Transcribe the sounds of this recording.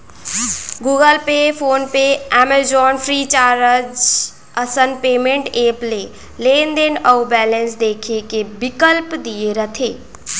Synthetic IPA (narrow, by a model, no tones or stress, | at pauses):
ɡuːɡəlpepʰoːnpeɛmed͡ʒɔːnfʰɾiːt͡ʃaːɾəd͡ʒ | əsənpeːmẽɳʈeːple | leːnd̪enəubɛːlə̃nsd̪eːkʰekebɪkəlpd̪ieɾət̪ʰeː